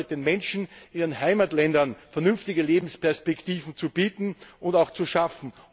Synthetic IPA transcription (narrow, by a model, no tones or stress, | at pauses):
ɪt̚d̥eːnmɛnʃn̩ʔiːʁənɦaɪmatlɛndɐnfɛɐnʏnftɪɡəleːbm̩spɛɐspɛktiːvn̩t͡sub̥iːtn̩ʊndaʊxt͡suʃafn̩